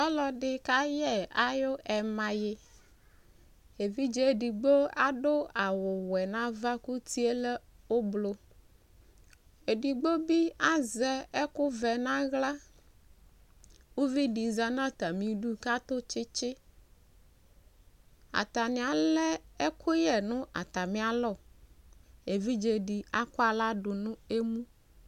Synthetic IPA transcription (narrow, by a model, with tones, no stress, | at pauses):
ɔ˦lɔ˨ɖɪ˦ka˦jɛ˨a˨jo˦ʔɛ˨mã˨jɪ˦ | e˨vi˦d͡ʒɛ˦e˨ɖi˨ɡ͡bo˦a˦ɖʊ˦a˨wʊ˨wɛ˨nã˦va˦ku˦t̪i˦e˦lɛ˦ | o˦blo˨ | e˨ɖi˨ɡ͡bo˦bi˦a˦zɛ˨ɛ˦kʊ˦vɛ˨nã˦ɣla˦ | wu˦vi˦ɖi˨za˦nã˦t̪a˨mĩ˨ɖu˦ka˦t̪o˦t͡ʃɪ˦t͡ʃɪ˦ | a̰˨t̪a˨nĩ˨a˨lɛ˦e˦kʰo˦jɛ˨nũ˦ʔa̰˨t̪a˨mĩ˦a˨lɔ˦˨ | e˨vi˦d͡ʒe˨ɖi˨a˦ko˦a˨la˦ɖu˨nũ˦e˦mũ˦